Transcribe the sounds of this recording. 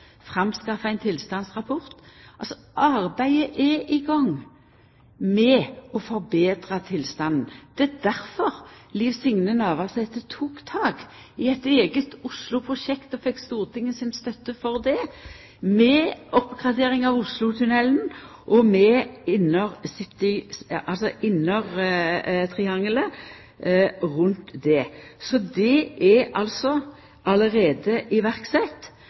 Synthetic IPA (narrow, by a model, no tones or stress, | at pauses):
fʁɑmskɑfəæɪnt̪ʰɪlst̪ɑnsʁɑpʰɔʁt̪ɑlsɔ | ʔɑʁbæɪəʔɛʔɪɡɑŋ | mɛɔfɔɾbeːd̪ʁət̪ʰɪlst̪ɑnnd̪̥ɛɛd̪æɾfɔʁliːʋsɪŋnənɑʋɑsɛt̪ːət̪ʰuːkt̪ʰɑːɡ | ɪɛt̪eːɡət̪ʊslʊpʰʁʊʃɛkt̪ɔfɛkːst̪uːʁt̪ʰɪŋːəsɪnst̪œt̪ːəfɔʁd̪ɛ | mɛɔpːɡʁɑd̪eːʁɪŋɑʋʊslʊt̪ʰʉnɛlnʔɔmɛɪnɔʁsɪt̪ːɪʔɑlsɔʔɪnːɔʁ | t̪ʰʁɪɑŋlə | ʁʉnt̪d̪ɛsɔd̪ɛʔæɑlsɔ | ʔɑləʁeːd̪əʔɪʋæʁksɛt̪ː